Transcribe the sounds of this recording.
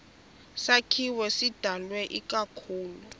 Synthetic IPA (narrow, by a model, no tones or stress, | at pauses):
sakʰiwɛsid̥ʱalwɛʔikʼakʰuːlu